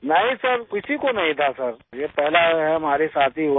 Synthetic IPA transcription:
nɐɦĩsəɾkɪsikonɐɦĩt̪ʰasəɾjepɛɦlaɦɛɐm̤aːɾesaːt̪ʰiɦo

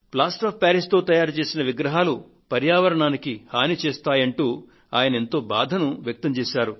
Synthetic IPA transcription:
plaːsʈaːppaːɾist̪o̞ːt̪ɐjaːɾt͡ʃe̞ːsinɐʋiɡɾɐɦaːlu | pɐɾjaːʋɐɾɐɳaːnikihaːnit͡ʃeɛːst̪aːjɐɳʈuː | aːjɐnɐent̪o̞ːba̰ːd̪ʱɐnuʋjɐk̚t̪ɐmt͡ʃeːʃaːɾu

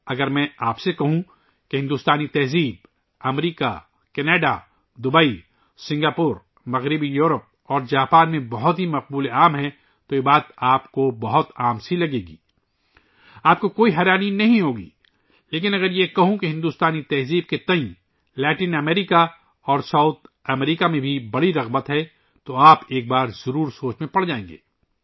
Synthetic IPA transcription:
ɐɡəɾmɛ̃aːpsekɐɦũ | keɦɪ̃nd̪uːst̪aːnit̪ɛɦziːb̚ | ɐmɾiːka̰ | kɛneːɖa̰ | d̪ʊbəi | sɪ̃ŋɡaːpuːɾ | mɐɣɾɪbijuːɾəp̚ | ɔːɾd͡ʒaːpaːnmẽbɐɦʊt̪ɦimɐq̚buːleaːmɦɛ̃ | t̪ojebaːt̪aːpkobɐɦʊt̪aːmsilɐɡeːɡḭː | aːp̚kokoːiɦɛːɾaːninɐɦĩɦoːɡḭː | leːkɪnɐɡəɾjekɐɦũkiɦɪ̃nd̪uːst̪aːnit̪ɛɦziːb̚ket̪ɐ̃ĩ | lɛːʈiːnɛmeːɾika | ɔːɾsɐʊt̪̚ʰɐmɾiːkamẽbʱibɐɽiɾɐɣbət̪ɦɛ | t̪oaːpeːk̚baːɾzɐɾuːɾsoːt͡ʃmẽpɐɽ̤d͡ʒaːẽːŋɡḛː

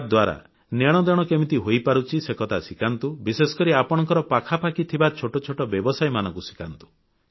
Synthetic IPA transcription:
d̪waɾa̰ | neɽ̃ɔd̪ɔɽ̃ɔkemit̪iɦojpaɾut͡ʃʰisekɔt̪ʰasikant̪ubisesɔ̥kɔɾiapɔɽ̃ɔ̃ŋkɔɾɔpakʰapakit̪ʰibat͡ʃʰoʈɔt͡ʃʰoʈɔbjɔbɔsajmanɔŋkusi̥kant̪u̥

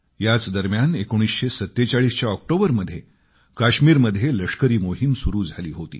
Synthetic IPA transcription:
jat͡sd̪əɾmjanekoɽ̃isɕesət̪ːet͡saɭiːst͡ɕjaɔk̚ʈobəɾməd̪ʱːje | kaɕmiːɾməd̪ʱːjeləʂkəɾiːmoɦimsuɾuːd͡zʱaliːɦot̪ḭː

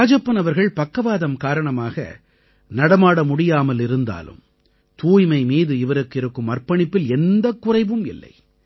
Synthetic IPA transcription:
aːd͡ʒɐpːɐnɐʋɐɾɣɐɭpɐkːɐʋaːðɐmkaːɾɐɳɐmaːɣɐ̰ | nɐɽɐmaːɽɐmʊɽɪjaːmɐlɪɾɯnd̪a̰ːlɯ̰m | t̪uːjmɐɪmiːðɯɪʋɐɾɯkːɪɾɯkːɯmɐrpɐɳɪpːɪlɛnd̪ɐkːʊrɐɪʋɯmɪlːɐ̰ɪ

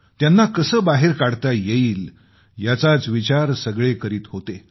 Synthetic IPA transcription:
t̪janːakəsəːbaɦeɾkaɽt̪ajeiːl | jat͡sat͡sʋit͡ɕaɾsəɡɭekəɾiːt̪ɦot̪e

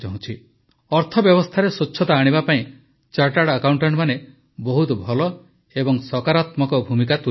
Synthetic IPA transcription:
d͡ʒaɦũt͡ʃʰi | ɔɾt̪ʰɔbjɔbɔst̪ʰaɾesot͡ʃːʰɔt̪aːɽ̃ibapaĩ | t͡ʃaʈaɽakawɳʈɔɳʈmane | bɔɦut̪ɔbʱɔlɔ | ebɔŋsɔkaɾat̪mɔkɔbʱumikat̪u

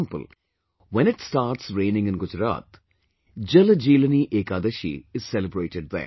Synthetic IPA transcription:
mpə̰l | ʋɛ̃nɪʈsʈaːɾʈsɾeːnɪ̃ŋɡɪ̃nɡʊd͡ʒɾa̰ːt̪ | d͡ʒɐlɐd͡ʒiːlɐniːʔeːkaːd̪ɐʃḭɪz̥sɛlɪbɾeːʈeɖ̚ðɛ̰

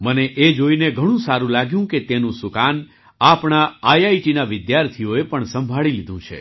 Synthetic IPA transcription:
məneʔed͡ʒoineɡʱəɽ̃ũsaɾũlaɡjũket̪enũsʊkan | apɳaajaiʈinaʋɪd̪jaɾt̪ʰioepəɳsəmbʱaɭilid̪ʱũt͡ʃʰḛ

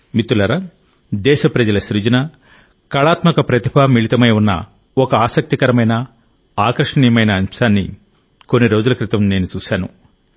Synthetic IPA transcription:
mit̪ːulɐɾɐ | d̪ɛːʃɐpɾɐd͡ʒɐlɐʃɾid͡ʒɐnɐ | kɐɭaːt̪mɐkɐpɾɐt̪ipʰɐmiɭit̪ɐmɐjunːɐ̰ | ɔkɐaːsɐk̚t̪ikɐɾɐmɐjnɐ | aːkɾɐʂɐɳijɐmɐjnɐːnʂaːnːḭ | ko̞nːiɾo̞ːd͡ʒulɐkɾit̪ɐmne̞ːnut͡ʃuːʃaːnṵ

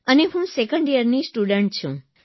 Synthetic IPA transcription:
əneɦũsekəɳɖijəɾnisʈuɖəɳʈ̚t͡ɕʰṵ̃

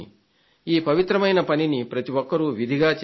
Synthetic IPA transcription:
i | iːpɐʋit̪ɾɐmɐjnɐpɐninipɾɐt̪iʋɔkːɐɾuʋid̪ʱiɡaːt͡ʃ

